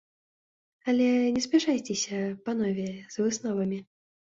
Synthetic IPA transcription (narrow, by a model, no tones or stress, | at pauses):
ɐlʲɛnʲɛspʲɪʂajt͡sʲɛsʲɐpɐnɔvʲɛz̥vɨsnɔvɐmʲi